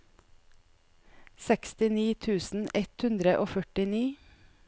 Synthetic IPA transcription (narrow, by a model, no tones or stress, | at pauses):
sɛkst̪ɪniːt̪ʰʉːsn̩ɛt̪hʉnd̪ɾəʔoːfœʈɪniː